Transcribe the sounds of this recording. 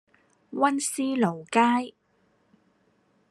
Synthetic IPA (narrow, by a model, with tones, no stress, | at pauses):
wɐ˥nsiː˥lo˨˩wkaː˥j